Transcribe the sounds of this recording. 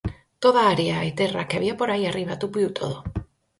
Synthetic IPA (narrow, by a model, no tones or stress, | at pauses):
t̪oðaaɾjaet̪erakeaβiapoɾajariβat̪upuiut̪ʰo̰ðo